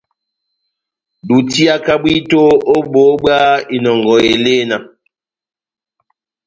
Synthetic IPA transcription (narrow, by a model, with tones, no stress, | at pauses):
du˨ti˦a˦ka˦ɓwi˦to˦o˦bo˨˦bwa˦i˨nɔ˨ŋɡɔ˨e˨le˦na˨